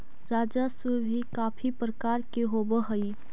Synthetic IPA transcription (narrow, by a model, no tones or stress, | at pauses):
ɾaːd͡ʒaswebʱikaːfʰipɾəkaːɾkeɦoːbəɦɐi